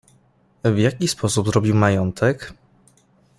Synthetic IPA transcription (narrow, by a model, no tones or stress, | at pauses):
vjakʲispʰɔsubzɾɔbʲiwmajɔnt̪ʰɛk